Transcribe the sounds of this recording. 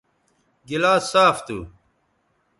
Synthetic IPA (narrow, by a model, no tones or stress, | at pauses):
ɡilaːsaːft̪u